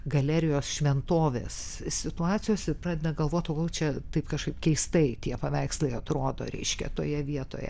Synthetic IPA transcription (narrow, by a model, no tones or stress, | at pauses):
ɡɐlʲæɾʲɪjoːsʃʲʋʲɛnt̪oːʋʲḛːssʲɪt̪ʊɑːt͡ssʲɪjoːsʲɪpɾɑːd̪ʲed̪ɐɡɐlˠʋoːt̪ʲoɡolˠt͡ʃʲɛt̪ɐɪpkɐʃkɐɪpkʲɛɪst̪ɐɪt̪ʲiɛpɐʋʲæɪksʲlʲˠɐɪɐt̪ɾoːd̪o̰ɾʲɛ̰ɪʃʲkʲɛ̰t̪oːjɛʋʲiɛt̪o̰ːjɛ̰